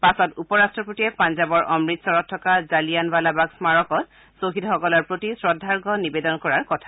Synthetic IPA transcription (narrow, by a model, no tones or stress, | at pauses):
pasɔtupɔɹastɹɔpɹotiɛpanzabɔɹʔɔmɹitsɔɹɔtʰːɔkazalijanbalabaksmaɹɔkɔt̚ | soɦidʱxɔkɔlɔɹpɹotisɹɔdʱːaɹɡɔnibedɔnkɔɹaɹkɔtʰḁ